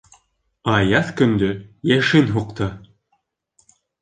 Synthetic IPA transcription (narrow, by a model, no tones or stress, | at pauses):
ɑjɑθkɵ̆nd̪ɵjæʃɘnɦuqt̪ɤ